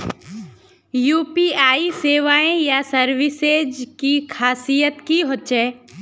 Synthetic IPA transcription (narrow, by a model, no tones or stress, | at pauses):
juːpiaːiseːʋaːẽjasɐɾʋɪsed͡ʒkixʰaːsijət̪kiɦoːt͡ʃeː